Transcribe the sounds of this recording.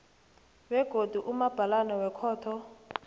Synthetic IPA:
wɛɡ̥ʱod̥ʱuʔumab̥ʱalanɛwɛkʰɔːtʰɔ

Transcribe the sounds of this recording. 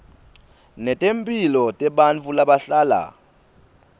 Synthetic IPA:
nɛtʼempʼilɔtʼɛɓant͡fʰʼulaɓaɬaːla̰

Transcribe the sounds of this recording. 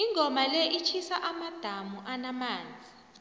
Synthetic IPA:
iŋʱɔmalɛʔit͡ʃʰisaʔamad̥ʱamuʔanamaːnd͡zʱi

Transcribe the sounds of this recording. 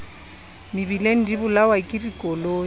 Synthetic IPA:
mɪbileŋ̩dibʊlawakʼirikʼɔloː

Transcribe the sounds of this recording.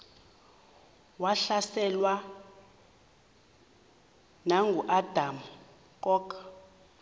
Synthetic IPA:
waɬasɛlwa | naŋɡʱuʔad̥ʱam̩ | kʼɔːkʼ

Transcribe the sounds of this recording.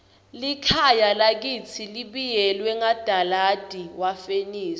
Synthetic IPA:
likʰajalak̬it͡sʰiliɓijɛlwɛŋad̥ʱalad̥ʱiwafeniːs

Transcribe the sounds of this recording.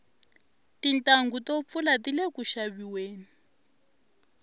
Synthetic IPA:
tintʼaŋɡutop̪fulatilekuʃaβiweːni

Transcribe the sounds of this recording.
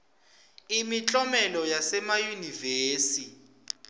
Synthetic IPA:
imit͡ɬʼɔmɛlɔjasɛmajuniveːsi

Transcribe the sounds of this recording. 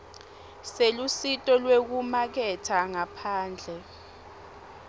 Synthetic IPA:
selusitʼɔlwek̬umak̬ɛtʰaŋapʰaːnd͡ɮʱɛ

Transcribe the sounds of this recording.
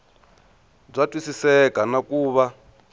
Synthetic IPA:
b͡ʐʷatʼwisisɛkanakuːβa

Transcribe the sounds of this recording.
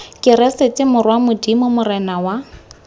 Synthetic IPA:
kʼɪɾɛset͡sʼɪmʊrwamʊdimʊmʊrɛnawa

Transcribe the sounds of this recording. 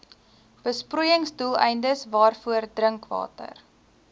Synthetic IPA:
b̥əspruːjəŋsdulˠɛ̰jndəsvɑːrfuərdrəŋkvɑ̰ːtə̰r

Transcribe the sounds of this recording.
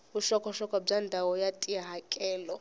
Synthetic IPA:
buʃɔkʰʼɔʃɔkʼɔb͡ʐandʱawɔjatʼiɦakʼɛːlɔ

